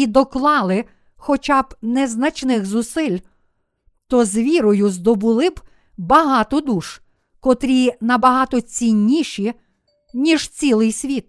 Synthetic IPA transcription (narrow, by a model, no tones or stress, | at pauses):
id̪ɔklˠɑlˠɪ | xɔt͡ʃɑb̥nɛznɐt͡ʃnɪxzʊsɪlʲ | t̪ɔzʋʲiɾɔjʊzd̪ɔbʊlˠɪb | bɐɦɑt̪ɔd̪uʃ | kɔt̪ɾʲinɐbɐɦɑt̪ɔt͡sʲinʲːiʃi | nʲiʒ̥t͡sʲilˠɪjsʲʋʲit̪̚